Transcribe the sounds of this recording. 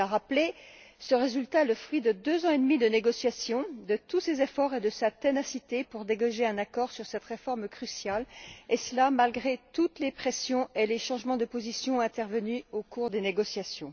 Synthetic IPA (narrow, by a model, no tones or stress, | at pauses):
aʁaple | səʁezylt̪aɛləfχɥid̪əd̪øzɑ̃ed̪mid̪əneɡɔsjasjɔ̃d̪ət̪usezefɔʁed̪əsat̪enasit̪epuʁd̪eɡaʒeɛ̃nakɔʁsyʁsɛt̪ʁefɔʁmkχysjalesəlamalɡʁet̪ut̪lepχesjɔ̃eleʃɑ̃ʒmɑ̃d̪əpozisjɔ̃ɛ̃t̪ɛʁvənyokuʁd̪eneɡɔsjasjɔ̃